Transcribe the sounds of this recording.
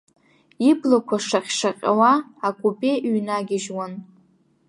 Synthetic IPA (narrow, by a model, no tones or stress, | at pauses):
iblakʷʰaʂaχʲʂaqʲʼa̰waakʼupʼeʔɥnaɡʲɪʒwan